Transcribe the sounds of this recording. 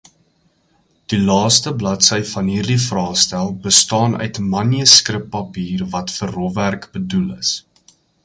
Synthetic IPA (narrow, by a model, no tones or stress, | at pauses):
d̥ilɑːstəblɐtsəjfɐnɦiːrdifrɑːχstælˠbəstɑːnœ̰ɥtmɐniəskrəpːɐpiːrvɐtfərːɔværkbədulə̰s